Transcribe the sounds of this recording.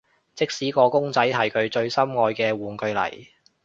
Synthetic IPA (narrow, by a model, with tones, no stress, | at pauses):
t͡sɪ˥k̚siː˨˥kɔː˧kʊ˥ŋt͡sɐ˨˥jɦɐ˨˩jkʰɵ˧ɥt͡ʃɵ˧ɥsɐ˥mŋɔː˧jkɛː˧wuː˨˩nkɵ˧ɥlɐ̰˨˩j